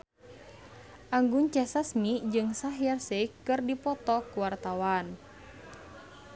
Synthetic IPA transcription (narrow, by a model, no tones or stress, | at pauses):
ʔaŋɡuɲt͡ʃɛsasmid͡ʒɨŋsaɦjarsɛkɨrdipɔt̪ɔkuwart̪awan